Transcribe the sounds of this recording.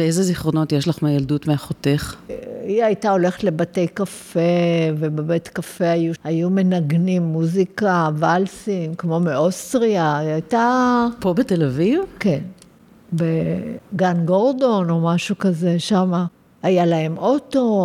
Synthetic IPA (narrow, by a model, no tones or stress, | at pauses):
beezeziχʁo̞no̞tjeʃlaχmajaldutmeaχote̞χiajtao̞le̞χetle̞bate̞jkafe̞vebebe̞tkafe̞ajuajume̞naɡnimːuzikavalsimkmo̞meostʁiaajtapo̞betelavivke̞n | beɡanɡo̞ʁdo̞no̞maʃukaze̞ʃama | ajalae̞mʔo̞to̞